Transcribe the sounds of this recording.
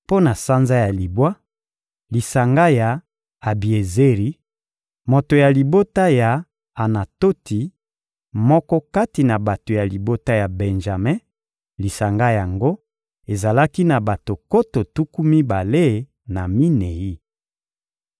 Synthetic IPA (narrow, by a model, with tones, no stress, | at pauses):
po˦na˨sa˦nza˦ja˨li˨bwa˦ | li˨sa˨ŋɡa˦ja˨ | a˨bi˨e˨ze˦ʁi˦ | mo˨to˨ja˨li˨bo˦ta˦ja˨ | a˨na˨to˦ti˨˦ | mɔ˦kɔ˦ka˦ti˨na˨ba˨to˨ja˨li˨bo˦ta˦ja˨bɛ˨nʒa˨mɛ̃˦ | li˨sa˨ŋɡa˦ja˨ŋɡo˦ | e˨za˨la˦ki˦na˨ba˨to˨ko˦to˨tu˦ku˦mi˦ba˨le˦ | na˨mi˦ne˨ji˦